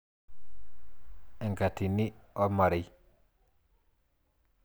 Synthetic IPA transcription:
ɛ˨ŋka˨ti˨ni˦ɔ˦ma˨ɾi˦j

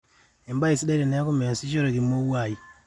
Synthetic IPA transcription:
i˨mba˦i˨si˦da˦ɾi˨ne˦ku˦me˨n˨si˦ʃo˦ɾo˨ɡi˨mo˦wa˨i˨

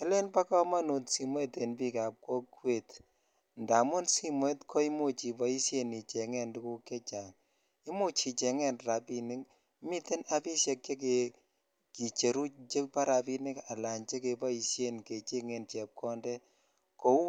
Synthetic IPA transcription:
ɛ˦le˦npa˦kɔ˦ma˦nu˨tsi˨me˦te˨npi˦ka˨p̚ko˦kwe˨t | nda˨mʊ˦nsi˦mwe˦tkʰɔ˦i˦mo˦˨t͡ʃi˨pɔ˨i˦sje˦ni˨t͡ʃɛ˨ŋɛ˦ndu˦ku˦ke˦t͡ʃa˨ŋ | i˦mo˦t͡ʃi˨˧t͡ʃɛ˨ŋɛ˦nɾa˨pi˨nɪ˦k | mi˦te˦na˨pi˦sje˧kt͡ʃe˦k̬e˨ | ki˨t͡ʃe˨ɾu˦t͡ʃe˦pa˦ɾa˨pi˦nɪ˦ka˨la˨nt͡ʃe˦ke˨pa˦i˧sje˦nke˨t͡ʃe˦ŋe˨nt͡ʃɛ˨p̚kʰɔ˦ndɛ˦ | ko˨u˦

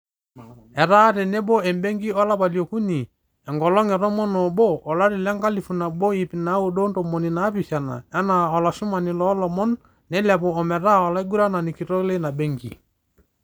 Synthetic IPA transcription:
ɛ˨ɾa˦ɾɛ˨ne˦bɔ˦ɛ˨mbɛ˦ŋɡi˦ɔ˦la˦βa˨ljo˨ku˦ni˨ | ɛ˨ŋɡɔ˨lɔ˦ŋɛ˨ɾɔ˦mɔ˦nɔ˨bɔ˦ʔːla˦ɾi˨lɛ˦ŋɡa˦li˨fu˨na˨bɔ˦i˨pi˨na˨˦u˨ɗo˦nto˨mɔ˨ni˨na˨˦pi˨sa˨na̰˨ɛ˦na˨ɔ˨la˨ʃu˦ma˨ni˨lɔ˦lɔ˨mɔ˦nː | ɛ˨˦la˨pɔ˨ɔ˨mɛ˨ɾa˦ɔ˨la˦i˦ɡu˦ɾa˦na˨ni˨ki˨ɾɔ˦le˦na˨bɛ˦ŋɡḭ˨

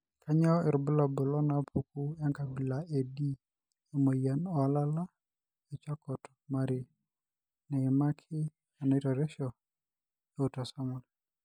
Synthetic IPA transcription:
kʰa˦ɲa˦ɪ˨ɾʊ˨bʊ˦la˨bʊ˨lɔ˦na˨pʰu˨ku˦ɛ˦ŋka˨bi˨la˨ʔe˨di˦ | e˨mo˨ja˨nɔ˨a˨la˦la˦ | e˨t͡ʃa˦kɔ˨t | ma˦ɾɪ˨ | nɛ˨ɪ˨ma˦kʰɪ˦ | a˨na˨i˦tɔ˨ɾɛ˦ʃɔ˨ | e˦u˨ta˨sa˦mʊ˨l

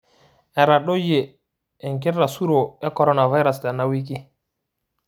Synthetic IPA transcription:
ɛ˨ɾa˨ɗo˦jeː˨ | ŋk̬i˦ɾːa˨su˦ɾo˨ɛ˦kɔ˨ɾɔ˦na˨va˦jɾa˨sta˨nːa˦wi˦k̬i˦

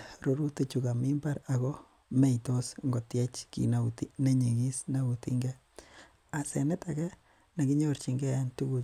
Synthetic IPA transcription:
ɾo˨ɾu˦te˨t͡ʃuka˨mi˦mbaɾa˨kɔ˦ | me˦jto˦sŋɡo˨tje˦t͡ʃkḭ˨nautine˦ɲe˨ɡi˦sna˦utḭ˦ŋɡɛ˦ | a˨se˨ne˦takɛ˦ | ne˨ɡiɲoɾt͡ʃi˨ŋɡɛ˦jantu˦ɡu

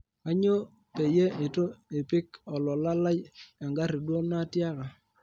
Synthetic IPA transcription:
a˦ɲo˦ | pe˨je˦e˨to˦e˨pɪ˦kɔ˨lɔ˨la˦la˦ja˨ŋɡa˦ɾi˨dwo˦na˦tja˦ka˨

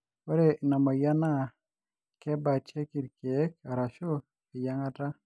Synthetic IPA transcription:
wɛ˦ɾɛ˦nɔ˨mɔ˨ja˦na˦ | kɛ˦ba˨t͡ʃe˦ki˨ɾke˨˦ka˨ɾa˨ʃo˦ | ɪ˨ja˦ŋa˦ta˦

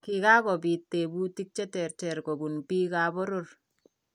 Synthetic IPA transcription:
ki˨ka˦kɔ˨bi˨tːe˨bu˦ti˦k̚t͡ʃɛ˦tɛ˨ɾtɛ˨rko˨bu˨npi˦ka˨bo˦ɾor

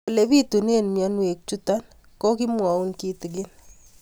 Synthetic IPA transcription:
le˨βi˦tu˨ne˦nmjɔ˨nwe˨k̚t͡ʃu˦ta˦n | ko˦ki˦mwɔ˨u˦nki˦ti˨ɡ̬ɪn

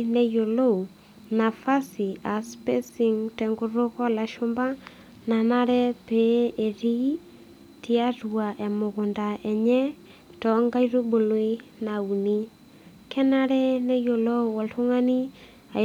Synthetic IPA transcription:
ne˦jo˨lo˦u˨ | na˨fa˦si˨a˨spe˦si˨ŋtɛ˨ŋɡu˦ɾʊ˦kɔ˦la˨ʃo˦mba˦ | na˨na˦ɾɛ˦pe˨e˨ɾi˦ | ti˦a˦tua˨ʔɛ˨mʊ˨ɣʊ˨nda˨ʔɛ˨ɲɛ˦ | tɔ˨ŋɡa˦iɾo˦bo˨lo˦i˦ | na˨u˨ni˦ | kʰɛ˦na˦ɾɛ˦ne˦jo˨lo˦wɔ˨ltu˦ŋa˦ni˦ | a˨

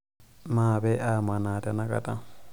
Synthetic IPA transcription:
maː˨bɛʔa˦ma˨na˨tʼa˦na˦kʼa̰˨tʼa˦

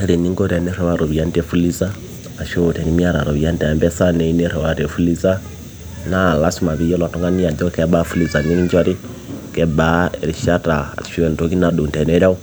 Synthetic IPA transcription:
e˦ɾi˨ni˦ŋɡo˦ɾa˨ne˦ɾe˨wa˦ɾo˨βi˨a˦nde˨fu˦li˦zaː˦˨ | ʃo˦˨te˨ni˦mi˦a˦ɾa̰˨ɾo˨βi˨a˦nda˨mbɛ˦sa˦ne˨i˦ne˦ɾɛ˨wa˨ɾe˨fu˦li˦t͡sa˦ | na˦˨la˦si˦ma˨βi˦jo˦la˨to˦ŋɡa˦ni˦a˨do˦kɛ˦ɓa˦fu˦li˨za˨ni˦i˦ɲd͡ʒwa˦ɾi˦ | kɛ˨bae˨ɾi˨ʃa˦ta̰˨i̥˨fi˦e˨n˨to˦ki˦na˨ɗu˨nte˨ne˦ɾa˦u˦

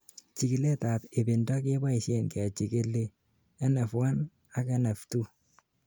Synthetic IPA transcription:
t͡ʃi˨ki˨le˦ta˨pe˨be˨ndɔ˦k̬e˦ba˦i˨ʃe˦nkɛ˨t͡ʃi˨ke˦le˦ | ɛ˦nɛ˨fwa˦n | a˦kɛ˦nɛ˨ftu˦

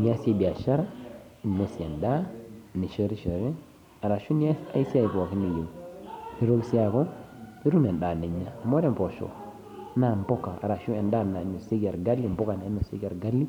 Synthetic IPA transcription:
n˨a˦se˦bi˨a˨ʃa˦ɾa˦˨ | ne˨si˨e˨nda˦ni˨ʃo˦ɾi˦ʃo˨ɾe˦ | a˨ɾa˨ʃu˦ni˦a˦sa̰˦i˦si˦a˦˨ji˨ko˨wa˨ki˦ni˨jo˨ni˨ɾo˦ɡsi˦a˨ko˦ | i˦ɾu˦ne˨nɗa˨ne˨ɲːa˨mo˦ɾe˦˨mpo˨ʃo̰˨˦ | na˨mbo˦kːa˨a̰˨ɾa˨ʃu˦e˨nɗa˦na˨˦no˨se˦ɡa˨ɾɡa˦lːi˦mbo˦ka˨na˨i˦o˨se˦ɡa˨ɾɡa˦lːi˦

